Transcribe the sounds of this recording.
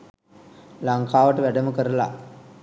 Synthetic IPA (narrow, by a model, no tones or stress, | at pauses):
laŋkaːʋəʈəʋæɖəməkəɾəla̰